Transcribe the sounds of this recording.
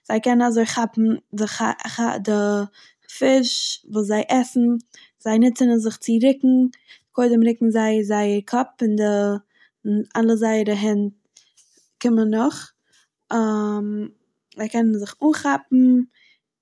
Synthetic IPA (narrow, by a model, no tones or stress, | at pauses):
z̥aɪkɛnənazoɪχapm̩dɪχaχadɪ | fɪʃvuːs̬zaɪʔɛsn̩ | z̥aɪnɪt͡sənəzɪχt͡sɪɾɪkŋ̩ | dkʰoɪdəmɾɪkŋ̩zaɪzaɪəɾkʰɔpɪndɪ | alˠəzaɪəɾəɦɛnt̚ | kɪmənːʊχ | am | zaɪkɛnənzɪχuːnχapm̩